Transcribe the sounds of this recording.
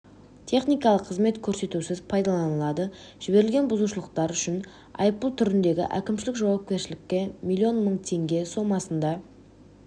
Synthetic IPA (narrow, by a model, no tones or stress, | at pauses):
t̪ʰe̞χnijkɑlˠəqʰːəzme̞t̪kʲʰɵɾse̞t̪usɪzpʰɑjd̪ɑlˠɑnəlˠɑd̪ə | ʒ̥ɪbe̞ɾɪlʲɡʲe̞nbʊzuʃəlˠəqt̪ɑɾʏʃɪn | ɑ̰jəp̚p̪əlˠt̪ʰʏɾɪnd̪e̞ɡʲɪ̰ʔæ̰kʲɪmʃ̬ɪlɪkʒɑwɑp̚kʲe̞ɾʃɪlɪkʲːe̞mʲilʲːio̞nməɴt̪ʰe̞ŋɡʲe̞so̞mɑsənd̪ɑ